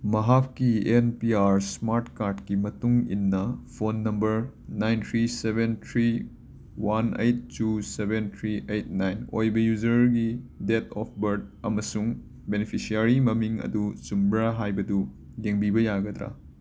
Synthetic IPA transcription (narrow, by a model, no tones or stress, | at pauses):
mɐɦapkːienpiaɾsmaɾtkaɾdkimɐtuŋḭnːɐpʰonːɐmbɐɾnajnt̪ʰɾisebentʰɾi | wanḛjt̚ːusebentʰɾiʔejt̚najno̰jbɐjud͡ʒɐɾɡidet̪ʰɔp̚ʰbɐɾd̚ɐmɐsuŋ | benepʰisiaɾimɐmiŋɐ̰dusumbɾaɦajbɐdu | jeŋbibɐjaɡɐd̪ɾa̰